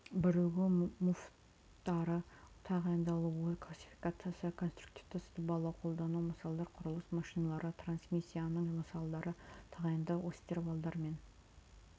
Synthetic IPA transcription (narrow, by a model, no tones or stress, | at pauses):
bɪɾeɡʲɪmuf | t̪ːɑɾət̪ʰɑʁɑjənd̪ɑlˠuwəkʰlˠasʲi̥fi̥kat̪sɨjasəkʰo̞nst̪ɾuk̚t̪i̥ft̪əsəd̪əbɑlˠɑqʰo̞lˠd̪ɑnuməsɑlˠd̪ɑɾqʰʊɾʊlˠəsmɑʃijnɑlˠɑɾət̪ʰransmisʲːijanəɴməsɑlˠd̪ɑɾət̪ʰɑʁɑjənd̪ɑwost̪eɾvɑlˠd̪ɑɾme̞n